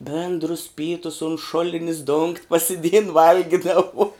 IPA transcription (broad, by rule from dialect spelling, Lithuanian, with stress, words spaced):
ˈbʲeːndrʊs ˈpʲiːtʊs ʊn ˈʃʊlʲɪnʲɪs dʊŋktʲ pɐsʲɪˈdʲeːjɪn ˈʋɐlʲɡʲɪdɐʋʊ